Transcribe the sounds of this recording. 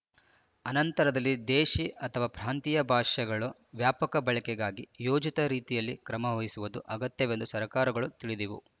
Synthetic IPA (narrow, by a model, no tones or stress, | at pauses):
ɐnɐnt̪ɐɾɐd̪ɐlːid̪eːʃiʔɐt̪ʰɐʋaːpɾaːnt̪ijɐbʱaːʃɐɡɐɭu | ʋjaːpɐkɐbɐɭɐkɛɡaːɡijoːd͡ʒit̪ɐɾiːt̪ijɐlːikɾɐmɐɦoːɦisuʋud̪uʔɐɡɐt̪jɐʋend̪usɐɾkaːɾɐɡɐɭut̪iɭid̪iʋṵ